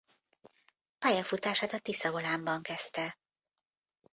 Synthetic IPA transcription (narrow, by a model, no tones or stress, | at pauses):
pajɛfut̪aːʃaːt̪ɒt̪isɒvolaːmbɒŋkɛst̪ɛ